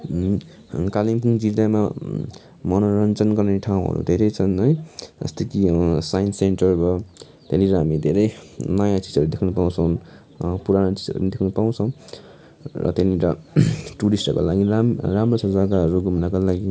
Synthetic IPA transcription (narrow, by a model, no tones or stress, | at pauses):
kalimkuŋd͡zid̪ama | mʌnoɾʌnt͡sʌnɡʌrneʈʰaw̃ɦʌ̰ɾṵd̪ʱeɾʌjt͡sʰʌnʌjʌ̰st̪ʌkisajnseɳʈʌrbʌ | t̪eɾiɾɦamid̪ʱeɾʌjnʌjãt͡sid͡zʌɾud̪ekʰnupaw̃t͡sʰʌwn | puɾanot͡si̥d͡zʌ̰ɾṵʌnid̪ekʰnupaw̃t͡sʰʌw̃ | rʌ̰t̪eniɾʌʈuɾisʈʌko̰laɡiaramrosʌd͡zaɡaɦʌɾuɡumnakolaɡi